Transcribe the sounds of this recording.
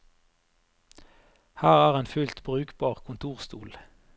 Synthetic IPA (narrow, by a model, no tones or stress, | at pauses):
hæːʁæːʁeːnfʉlt̪bʁʉːkbɑːʁkʰʊnt̪ʰuːʁst̪uːl